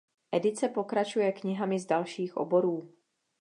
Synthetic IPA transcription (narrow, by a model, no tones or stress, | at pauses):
ʔɛdɪt͡sɛpo̞kɾat͡ʃujɛkɲɪɦamɪzdalʃiːxʔo̰bo̞ɾuː